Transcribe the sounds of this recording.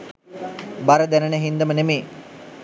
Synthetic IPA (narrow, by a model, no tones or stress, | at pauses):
baɾəd̪ænənəɦind̪əmənemeː